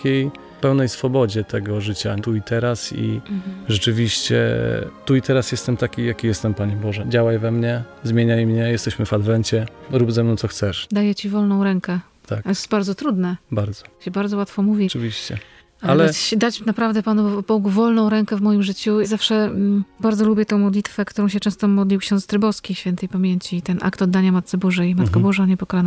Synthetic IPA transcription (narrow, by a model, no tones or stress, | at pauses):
kʲej | pɛwnɛjsfɔbɔd͡ʑɛt̪ʰɛɡɔʐɘt͡ɕat̪uit̪ɛɾasḭʐɛt͡ʂɘvʲiɕt͡ɕɛ̰t̪uit̪ɛɾasjɛst̪ɛmt̪akʲijakʲijɛst̪ɛmpaɲɛbɔʐɛd͡ʑawajvɛmɲɛ | zmʲjeɲajmɲɛjɛst̪ɛɕmɘvad̪vɛɲt͡ɕɛɾubzɛmnɔ̃w̪̃sɔxt̪sɛʂd̪ajɛt͡ɕivɔlnɔ̃w̃ɾɛŋkɛ | t̪ʰaksbaɾd̪zɔt̪ɾud̪nɛbaɾd̪zɔ̥ɕɛbaɾdzɔwat̪fɔmuvʲjit͡ʂɨvʲiɕt͡ɕɛ̰ | aalɛad̪at͡ɕnapɾavd̪ɛpanupɔɡuvɔlnɔ̃w̃ɾɛŋkɛvmɔjimʐɘt͡ɕuzafʂɛbaɾd̪zɔlubʲjɛt̪ɛ̃w̃mɔd̪lʲit̪fɛkt̪uɾɔ̃w̃ɕɛt͡ʂɛ̃st̪ɔmɔd̪lʲiwkɕɔ̃nst̪ɾɘbɔskʲiɕfʲjɛnt̪ɛjpamʲjeɲt͡ɕit̪ɛnʔa̰kt̪ɔd̪ːaɲamat̪t̪sɘbɔʐɛjmat̪kabɔʐaɲɛpɔkɔlan